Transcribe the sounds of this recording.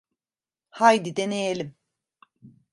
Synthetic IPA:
hajd̪id̪enejelʲim

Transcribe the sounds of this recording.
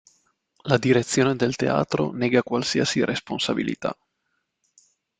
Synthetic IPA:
lad̪iɾet̪sːjoːned̪elt̪ḛa̰ːt̪ɾo̰nɛːɡakwalsiasiɾʔesponsabilḭt̪a̰

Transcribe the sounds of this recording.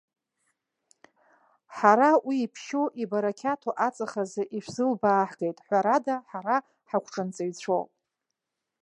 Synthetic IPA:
ħaɾawiːpʰʃoʔibaɾakʲʰatʰoʔat͡sʼaχazɨʔiʃʷᶣzɨlbaːħɡejtʼħʷaɾadaħaɾa | ħakʷʰʈ͡ʂʼɨnt͡sʼajt͡ɕʷʰo̰pʼ

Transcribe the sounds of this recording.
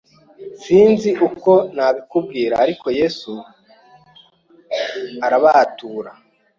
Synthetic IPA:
siːnziʔuko̞naβikub̚ɡiːɾa̰ːɾiko̞je̞ːsu | aɾaβatuːɾa

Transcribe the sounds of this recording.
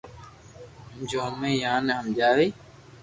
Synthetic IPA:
md͡ʒoːmẽːjãːneɦəmd͡ʒaːʋeː

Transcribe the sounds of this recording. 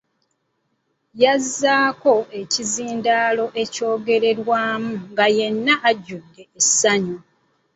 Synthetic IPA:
jazːaːko̞e̞ciziːndaːlo̞ʔe̞co̞ːɡe̞ɾe̞ɾwaːmuŋɡaje̞nːaʔːɟːudːe̞ːsːaɲu

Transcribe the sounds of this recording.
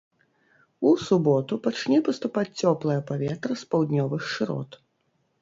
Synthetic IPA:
usubɔt̪upat͡ʂnʲɛpɐst̪upat͡sʲt͡sʲɔplˠɐjɐpavʲɛt̪ɾɐspawd̪nʲɔvɨxʂɨɾɔ̰t̪

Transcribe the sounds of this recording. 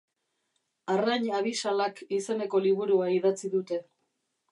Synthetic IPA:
araɲaβ̞isalakise̞ne̞ko̞liβuɾuaið̞at͡siðut̪e̞

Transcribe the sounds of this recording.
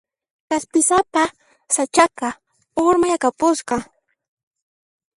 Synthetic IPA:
kaspɪsapa | sat͡ʃaka | ʊɾmajakapʊsqɑ

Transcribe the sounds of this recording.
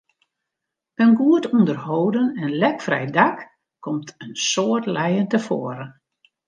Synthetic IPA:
ənɡuətundərhowdənɛnlɛkfrɛ̰jdak | kːɔmtʰənsoətlɛjəntəfoːəɾən

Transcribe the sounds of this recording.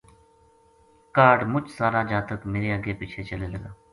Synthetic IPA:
kaːɖmʊt͡ʃsaːɾaːd͡ʒaːt̪əkmeːɾeːəɡeːpiːt͡ʃʰeːt͡ʃəleːləɡaː

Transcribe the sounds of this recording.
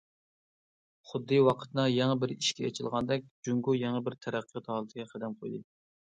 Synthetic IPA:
χʊd̪ːɨwɑqʰə̥t̪nɑjɛŋəbɪɾiʃkʲɛ̰ːt͡ʃʰilˠʁɑnd̪ɛk̚ʲd͡ʒuŋɡujɛŋəbɪɾt̪ʰɛɾæqʰːət̪ʰɑlˠɨt̪ʰɪɡʲɛqʰəd̪ɛmqʰojd̪ɨ

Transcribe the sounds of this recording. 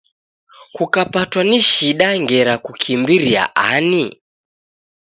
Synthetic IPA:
kukapatwaniʃiɗaŋɡɛɾakukʰimbiɾia̰ʔani

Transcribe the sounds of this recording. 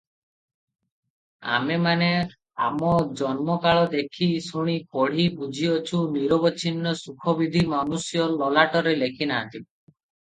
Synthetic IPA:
a̰memane | a̰mɔd͡ʒɔnmɔkaɭɔd̪ekʰisuɽ̃ikɔɽ̤ibud͡ʒʱiɔt͡ʃʰuniɾɔbɔt͡ʃʰinːɔsukʰɔbid̪ʱimanusjɔlɔlaʈɔɾelekʰinaːnt̪i

